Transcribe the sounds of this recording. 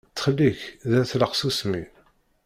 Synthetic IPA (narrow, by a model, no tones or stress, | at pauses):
t͡sːχəlːiçðæθləqsusmḭ